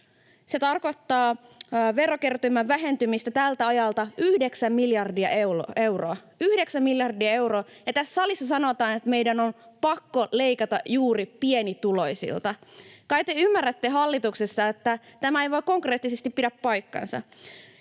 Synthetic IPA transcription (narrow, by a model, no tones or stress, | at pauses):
se̞t̪ɑrko̞t̪ːɑːʋe̞rokert̪ymæʋʋæɦe̞nt̪ymist̪æt̪ælt̪æɑjɑlt̪ɑyhde̞ksæmːiljɑrdiɑʔewloe̞wroɑ | yhde̞ksæmmiljɑrdiɑe̞wroː | jɑt̪æssɑlisːɑsɑno̞t̪ɑːnet̪me̞jdæno̞npɑkːo̞le̞ikɑt̪ɑjuːripienit̪ulo̞jsḭlt̪ɑkɑjkt̪eymːærːæt̪ːeɦɑlːit̪uksest̪ɑet̪ːæt̪æmæejʋo̞jkːo̞ŋkreːt̪ːisest̪ippidæppɑjkːɑ̰nsɑ̰